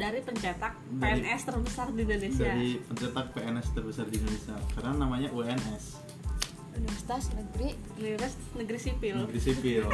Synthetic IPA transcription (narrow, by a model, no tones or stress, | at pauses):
daɾipəɲd͡ʒat̪ak̚deɛnʔɛst̪ərbəsardiindonesiaadipəɲd͡ʒat̪ak̚peɛnɛst̪ərbəsardindonesiakaɾənanamaɲaʔuɛnɛs | unifərsi̥t̪asnəɡɾi | liɾɪs | nəɡɾisipɪlnəɡɾisipɪl